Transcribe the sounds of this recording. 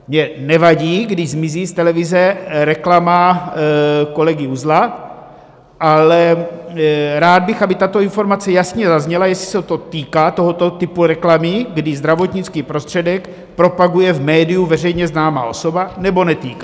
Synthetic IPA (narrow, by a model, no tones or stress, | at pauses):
mɲɛnɛvaɟiːɡdɪʒzmɪziːst̪ɛlɛvɪzɛɾɛklama | ko̞lɛɡɪuzlat̪ | ʔalɛ | ɾaːd̪̚bɪxabɪt̪at̪o̞info̞ɾmat͡sɛjasɲɛzazɲɛlajɛsɪ̥sɛt̪o̞t̪iːkaːt̪o̞ɦo̞t̪o̞t̪ɪpuɾɛklamɪɡdɪzd̪ɾavo̞t̪ɲɪt͡skiːpɾo̞st̪r̝̥ɛdɛk | pɾo̞paɡujɛvmɛːdɪjuvɛr̝ɛjɲɛznaːma̰ːʔo̞so̞banɛbo̞nɛt̪iːka